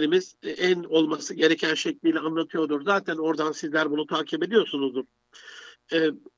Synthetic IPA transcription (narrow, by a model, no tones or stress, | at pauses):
ɾimizæno̞lˠmasɯɟe̞ɾecʰænʃɛclʲiːlʲɛanlˠat̪ʰɯjo̞d̪uɾzaːt̪ʰæno̞ɾd̪ansizlʲæɾbunut̪ʰaːcʰibe̞d̪ijo̞ɾsunuzd̪uɾ̥ | ɛ